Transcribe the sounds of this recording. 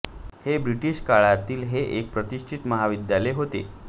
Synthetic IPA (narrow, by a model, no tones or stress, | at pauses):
hebɾiʈiɕkaɭat̪iːlɦeʔek̚pɾət̪iʂʈʰit̪məɦaʋid̪jaleɦot̪ḛ